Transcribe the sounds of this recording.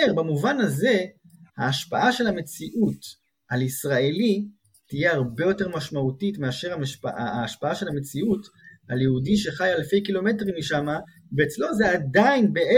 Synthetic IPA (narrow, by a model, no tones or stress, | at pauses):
eʁbamuvanaze̞ | haːʃpaʔaʃe̞lhame̞t͡siʔut | alisʁae̞li | tije̞aʁbe̞jo̞te̞ʁmaʃmautitmeaʃe̞ʁamːʃpaaʃelhame̞t͡siutaljeudiʃe̞χajalfe̞jkilo̞me̞t̬ʁimːiʃama | veːt͡slo̞zeadajnbe̞e